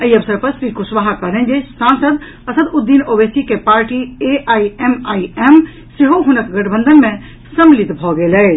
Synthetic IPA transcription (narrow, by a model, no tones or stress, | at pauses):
əiəbsəɾpəɾsɾikusʋaɦakəɾlɛnd͡ʒesansəd̪ | əsəd̪ud̪ːinobesikepaɾʈieʔaiemaiem | seɦoɦunəkɡəʈbə̃nd̪ʱənmẽ | səmlit̪bʱɔɡelɛ